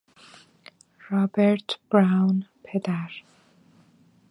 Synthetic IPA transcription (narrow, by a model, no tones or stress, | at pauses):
ɹɔbɛɹtʰb̥ɹawnpʰɛd̪aɹ